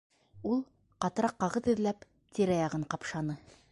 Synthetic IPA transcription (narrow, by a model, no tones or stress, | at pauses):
ulˠ | qɑt̪ɤ̆ɾɑqːɑʁɤðɘ̆ðlæp | t̪iɾæjɑʁɤɴqɑpʃɑnɤ